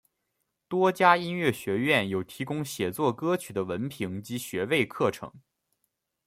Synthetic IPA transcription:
t̪wɔ˥t͡ɕja˥i˥nɥɛ˥˩ɕɥɛ˧˥ɥɛ˥˩njo˨˩ʊt̪ʰi˧˥kʊ˥ŋɕjɛ˨˩t͡swɔ˥˩kɤ˥t͡ɕʰy˨˩d̪ə˦wə˧˥npʰi˧˥ŋt͡ɕi˧˥ɕɥɛ˧˥we˥˧ɪkʰɤ˥˩ʈ͡ʂʰɤ̰˧˥ŋ

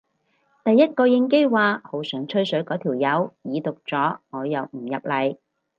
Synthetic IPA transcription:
t̪ɐ˨jːɐ˥t̚kɔː˧jɪ˧ŋke˥jwaː˨ho˨˥wsœː˨˥ŋt͡ʃʰɵ˥ɥsɵ˨˥ɥkɔː˨˥t̪ʰiː˨˩wjɐ˨˧wjiː˨˧t̪ʊ˨k̚t͡sɔː˨˥ŋɔː˨˧jɐ˨wm̩˨˩jɐ˨p̚lɐ˨j

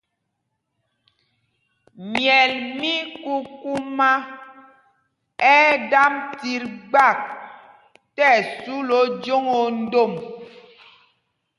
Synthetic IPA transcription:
mjɛ˨lmi˦ku˦ku˦ma˦ | ɛ˦da˦mti˨ɾɡ͡ba˦˨k̚ | tɛ˦˨su˦lo˦d͡ʒo˦ŋo˨n̩˦do˦˨m

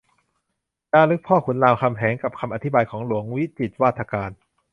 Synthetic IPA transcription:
t͡ɕaː˧˥˩lɯ˦˥k̚pʰɔː˥˩kʰu˨˩˦nlaː˧wkʰa˧mɦʰɛː˩˦ŋka˨˩p̚kʰa˧mʔa˧t̪ʰi˦˥baː˧jkʰɔː˩˦ŋlu˨˩˦əŋwi˦˥t͡ɕi˨˩t̪̚waː˥˩t̪ʰːa˧kaː˧n

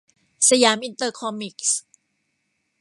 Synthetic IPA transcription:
sa˧jaː˨˦mʔi˧nt̪ɤː˧kʰɔ˧mi˨˩k̚s

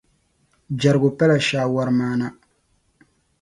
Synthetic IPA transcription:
d͡ʒa˨ɾɡʊ˨pɛ˦la˨ʃaː˨wa˦ɾmaː˦na˦

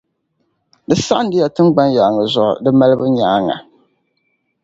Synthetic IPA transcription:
dɨ˦sa˦n˦dɪ˦ja˨tɨ˦mɡ͡ba˦nja˨ŋɨ˨zʊ˨ʔʊ̰˨dɨ˦ma˦lɨ˦bɨ˦ɲaː˦ŋa̰˨

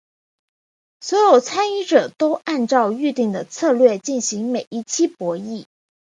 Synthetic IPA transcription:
swɔ˧˥jo˨˩ʊt͡sʰa˥ni˥ʈ͡ʂɤ˨˩t̪o˥ʊʔa˥˧nʈ͡ʂɑ˥˧ʊy˥˧t̪i˥˩ŋd̪ə˩t͡sʰɤ˥˧lɥɛ˥˧t͡ɕi˥˩nɕi˧˥ŋme˨˩ɪʔi˥˩t͡ɕʰi˥pwɔ˧˥i˥˩

